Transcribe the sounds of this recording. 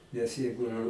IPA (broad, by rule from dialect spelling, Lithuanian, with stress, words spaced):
nʲɛs ˈjɛɪɡʊ